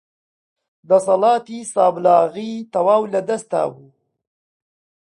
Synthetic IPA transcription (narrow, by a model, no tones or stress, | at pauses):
d̪əsɐlɑːt̪isɑːblɑːɣit̪ɐwaːwlad̪ast̪a̰wu